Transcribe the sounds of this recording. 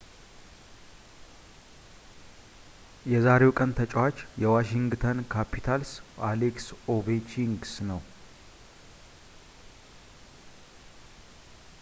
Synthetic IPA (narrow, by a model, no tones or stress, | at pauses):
jɛzaɾe̞wkʼənt̪ʰət͡ʃʼɛwat͡ʃːjɛwaʃiŋɡt̪ʰənkʰapʰit̪ʰalsaleksoβet͡ʃʰiŋɡsnəw